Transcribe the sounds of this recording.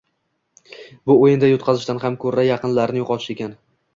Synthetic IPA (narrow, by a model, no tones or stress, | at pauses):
bʊojɪnd̪ajʊt̪̚qʰɑzɪʃt̪anɦamkʰɵɾajɑqɨnlaɾnɪjoqʰɒt̪ʰɪ̥ʃe̞kʲan